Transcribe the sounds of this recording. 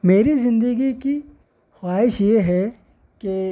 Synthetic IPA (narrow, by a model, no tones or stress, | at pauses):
meːɾizɪ̃nd̪əɡiki | xwaːɦɪʃjeɦɛ | ke